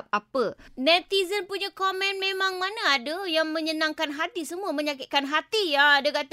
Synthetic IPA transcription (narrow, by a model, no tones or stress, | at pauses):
p̚apənɛt̪izənpuɲakomɛ̃nmẽmãŋmanaːdəjaŋmə̃ɲənãŋkanɦat̪isəmuəmə̃ɲakɪt̪̚kanɦat̪ijaːdakat̪